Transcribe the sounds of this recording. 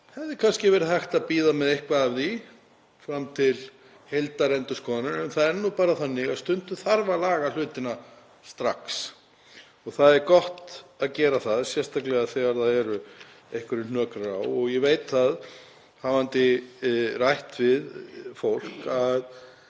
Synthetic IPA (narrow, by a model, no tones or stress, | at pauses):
hɛvðɪkʰanscɪvɛɾɪðhajxt̪aðpiːðamɛðejhkvaðavði | fɾamːt̪ʰɪl | hejlt̪aɾɛnt̪ʏskʰɔːðanʏɛnθaðɛɾnupaːɾaθanːɪɣaðst̪ʏnt̪ʏθaɾvalaːɣal̥ʏːt̪ɪna | st̪ɾaks | ɔɣθaðɛɾkɔht̪aðcɛːɾaθaðsjɛst̪ʰaklɛɣaðθɛɣaɾθaðɛɾʏ | ejhkvʏɾɪn̥œːkɾawɔɣjɛveːjt̪θað | haːvant̪ɪ | rajht̪vɪðfowl̥kað